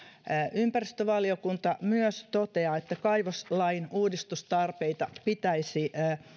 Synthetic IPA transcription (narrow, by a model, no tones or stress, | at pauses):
ympærist̪øʋɑliokunt̪ɑmyøst̪ot̪eɑet̪ːækɑiʋoslɑinuːdist̪ust̪ɑrpeit̪ɑpit̪æisi